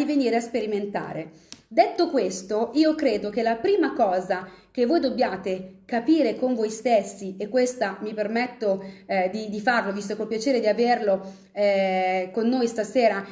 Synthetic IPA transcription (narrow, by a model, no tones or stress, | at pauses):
iveniːɾeaspeɾiment̪a̰ːɾe | d̪et̪ːokwest̪oiːokɾeːd̪ok̟elːapɾiːmakɔːzakevːoːjd̪obːjaːt̪ekapiːɾekoɱvojst̪esːiekːwest̪amipermɛt̪ːod̪id̪ifarlovist̪okolpjat͡ʃeːɾed̪iaverlo | ɛkonːoːjst̪aseːɾa